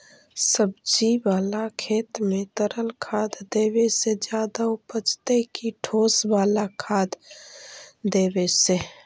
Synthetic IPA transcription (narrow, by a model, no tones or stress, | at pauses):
səbd͡ʒiwaːlakʰeːt̪mẽt̪əɾəlkʰaːd̪d̪eːwesed͡ʒjaːd̪aʊpət͡ʃt̪ekiʈʰoːsbaːlakʰaːd̪ | d̪eːwese